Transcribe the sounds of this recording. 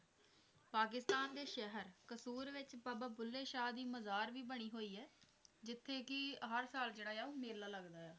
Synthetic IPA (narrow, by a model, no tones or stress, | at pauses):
paːkɪst̪aːnd̪eːʃɛɦəɾkəsuːɾʋɪt͡ʃpəbaːpʊlːeːʃaːd̪iːməzaːɾʋiːbəɽ̃iːɦoːiːɛː | d͡ʒɪt̪ʰːeːkɪɦəɾsaːld͡ʒeːɽaːjaːũːmeːlːaːləɡd̪aːjaː